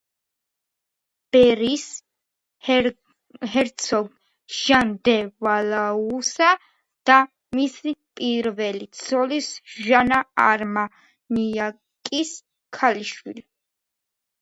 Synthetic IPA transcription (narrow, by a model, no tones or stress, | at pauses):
b̥ɛɾis | ɦɛɾt̪sʰɔɡ | ʒ̥and̪ɛvalausa | d̪̥a | misipʼiɾvɛlit̪sʰɔlisʒanaaɾma | nija | kʼis | kʰaliʃwḭli